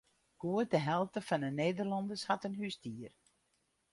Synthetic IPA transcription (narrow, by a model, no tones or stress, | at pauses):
ɡ̥uət̚dəɦɛlˠtəfɑnəneːdərlɑndəshɑtənɦystiər